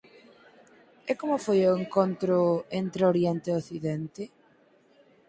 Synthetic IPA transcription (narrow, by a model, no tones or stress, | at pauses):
ɛkomʊfojoeŋkont̪ɾoent̪ɾeoɾjɛnt̪eoθiðɛnt̪e